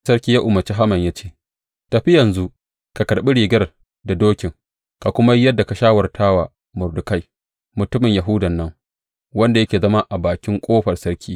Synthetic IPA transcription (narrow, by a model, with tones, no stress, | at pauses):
sɐ˦ɾkʲiː˦jaː˦ʔʊ˨mɐ˨t͡ʃi˦ɦa˦mɐ˨ɲjaː˦t͡ʃeː˦˨ | ta˨ɸi˦jɐ˨nzu˦ | ka˨kɐ˨ɽɓɪ˦ɽiː˨ɡɐ˦ɾ | da˨doː˦kʲɪ˨ŋ | ka˨kʷʊ˦ma˦jɐ˦dːa˨ka˨ʃaː˦wɐ˨rtʰaː˦waː˨ | mʊ˨rdʊ˨ka˦j | mʊ˨tʊ˦mɪ˨ɲja˨ɦʊ˦dɐ˨nːɐ˦ŋ | wɐ˦nda˨jɐ˦kʲeː˨zɐ˦ma˦ʔa˨baː˨kʲɪ˦ŋkʷʼoː˦ɸɐ˨rsɐ˦ɾkʲʰiː˦